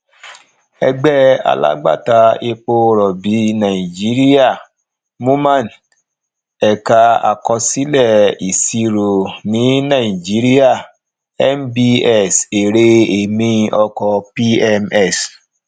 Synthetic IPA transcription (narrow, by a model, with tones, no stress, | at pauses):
ɛ˧ɡ͡bɛ˦a̰˧la̰˦ɡ͡ba̰˦˨ta˨˧e˧k͡po˧ɾɔ˨bi˨˦nã˨i˨d͡ʒi˨˦ɾi˦a˦˨ | mũ˦mã˦˨n | ɛ˨ka˧a̰˨kɔ˧si˦lɛ˦˨i˨si˧ɾo˨nĩ˨˦nã˦˨i˨d͡ʒi˨˦ɾi˦a˦˨ | ɛ˦mbi˧ɛ˦˨se˨ɾe˧e˨mĩ˧ʔɔ˧kɔ˧pi˦ɛ˧mɛ˦˨s